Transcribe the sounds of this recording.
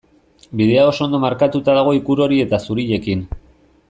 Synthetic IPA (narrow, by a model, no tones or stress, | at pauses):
bið̞e̞ao̞sond̪o̞maɾkat̪ut̪aðaɣ̞o̞ikuɾo̞ɾie̞t̪asuɾiʎe̞kin